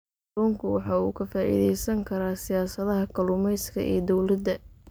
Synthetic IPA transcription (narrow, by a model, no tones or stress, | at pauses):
ɔːŋkʰʊwɑħɑːṵːkʰɐfaːʔḭːðɛjsɐŋkʰɐɾaːsɪjaːsɐðɐɦɐkʰɐlʊmɛjskʰɐ̰ʔɛ̰ːd̪ɔwlɐd̪ɐ